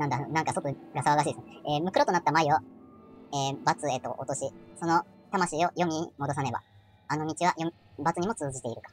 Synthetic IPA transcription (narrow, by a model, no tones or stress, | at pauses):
nãnd̪anãŋkasot̪oɡasaβaɡaɕ̬iːd̪esɨneeːmɯ̟kɯ̟ɾo̞t̪onat̪ːamaiβa | eːbat͡sɨet̪o̞̰ʔot̪o̞ɕiso̞no̞t̪amaɕiːo̞jo̞mʲimo̞d̪o̞s̬ane̞ba̰ | ano̞mʲit͡ɕiβ̞ajo | bat͡sɨɲ̟imo̞t͡sɨːʑit̪e̞iɾɯ̟kḁ